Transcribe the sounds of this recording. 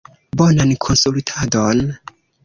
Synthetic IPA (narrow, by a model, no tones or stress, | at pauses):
bonankʰo̞nsultʰadon